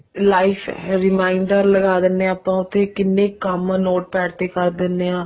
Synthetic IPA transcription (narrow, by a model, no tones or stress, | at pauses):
laːɪpʰɾɪmaːɪɳɖəɾləɡaːd̪ɪnːeaːpãːʊt̪ʰːeːkɪnːẽːkəmnoːʈ̚pɛːʈt̪eːkəɾd̪ɪnːeːãː